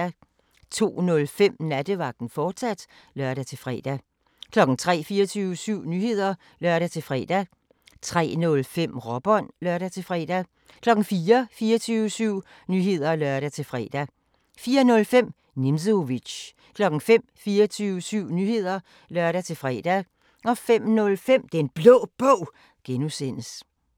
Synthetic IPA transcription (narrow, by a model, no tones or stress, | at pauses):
æ | t͡sʰo̝̰ːnɔ̽lfem̰næd̥əʋɑ̈ɡ̥d̥n̩fɒ̥ːsæd̥ | lɶɐɾ̥æt͡sʰe̝fʁɛ̰ːd̥æ | kʰlɒ̽ɡ̥n̩t͡sʰʁɛ̰ːfiːɐt͡sʰyːʊəsyʊ̰nyhe̝ð̞̰ˠɐ | lɶɐ̰ɾæt͡sʰe̝fʁɛ̰ːd̥æ | t͡sʰʁɛ̰ːnɔ̽lfem̰ʁɒ̽b̥ɒ̽n̰lɶɐ̰ɾæt͡sʰe̝fʁɛ̰ːd̥æ | kʰlɒ̽ɡ̥n̩fiːɐfiːɐt͡sʰyːʊəsyʊ̰ | nyɦe̝ð̞̰ˠɐlɶɐ̰ɾ̥æt͡sʰe̝lfʁɛ̰ːd̥æ | fiːɐnɔ̽lfem̰ | nims̬əoʋi̥ɕ | kʰlɒ̽ɡ̥n̩fem̰fiːɐt͡sʰyːʊəsyʊ̰nyhe̝ð̞̰ˠɐ | lɶɐ̰ɾ̥æt͡sʰe̝lfʁɛːd̥æ | ɒ̽fem̰nɔ̽lfem̰d̥ee̝nb̥lɔ̰ːb̥ɔʊ̰ | ɡ̥enusen̰əs